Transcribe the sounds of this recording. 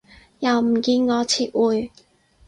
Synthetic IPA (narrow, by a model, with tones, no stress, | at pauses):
jɐ˨˩wm̩˨˩kiː˧nŋɔː˨˧t͡sʰiː˨˩t̚wuː˨j